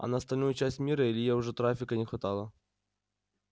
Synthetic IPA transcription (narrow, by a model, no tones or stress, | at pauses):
ɐ̰nɐɐst̪ɐlʲnujʊt͡ɕæsʲtʲmʲiɾəɪlʲɪjaʊʐɛt̪ɾafʲɪkənʲɪxvɐt̪alˠə